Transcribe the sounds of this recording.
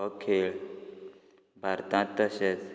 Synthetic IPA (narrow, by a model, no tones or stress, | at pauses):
ɔkʰeɭ | bʱaɾt̪ãt̪əɕet͡s